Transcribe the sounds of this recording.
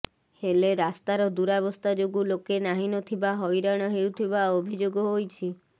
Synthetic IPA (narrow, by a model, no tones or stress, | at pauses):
heleɾast̪aɾɔd̪uɾaβɔst̪ad͡ʒoɡulokenaɦinɔt̪ʰibaɦɔjɾaɽ̃ɔɦewt̪ʰibaobʱid͡ʒoɡɔɦojt͡ʃʰi